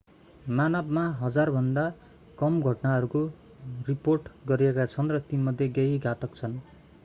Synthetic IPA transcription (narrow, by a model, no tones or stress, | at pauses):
manʌbmaɦʌd͡zarbʱʌnd̪a | kʌmɡʱʌʈnaʌɾuko | riporʈɡʌɾiekat͡sʰʌnrʌt̪inmʌd̪ʱjeɡeɦiɡʱat̪ʌkt͡sʰʌn